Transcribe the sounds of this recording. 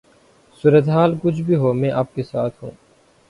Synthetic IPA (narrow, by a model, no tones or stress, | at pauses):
suːɾət̪eɦaːlkʊt͡ʃʰbʱiːɦoːmɛ̃ːʔaːp̚kesaːt̪ʰɦṵ̃ː